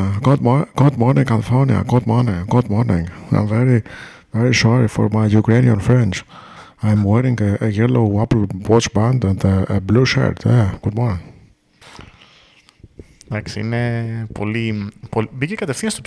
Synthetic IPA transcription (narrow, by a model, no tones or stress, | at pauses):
ɡ̥ud̪̚mɡ̥ud̪mɔɹnɪ̃ŋkalifonia̰ɡud̪̚mɔɹnɪ̃ŋɡud̪mɔɹnɪ̰̃ŋɡã̰j̃mvɛɹi | vɛɹisɔɹifɔ̰ɹmajjukɾeniə̃nfɾɛ̃nt͡ʃ | ãjmwɛɾɪ̃ŋɡəʔːjɛloʊapl̩wɔt͡ʃbæ̃nd̪ə̃nd̪əːbluʃa̰ɹt̪jaɡ̥ud̪mɔɹnɪ̃ŋ | d̪aksiḭnepʰo̰lipobikekɐt̪efθĩnɐst̪o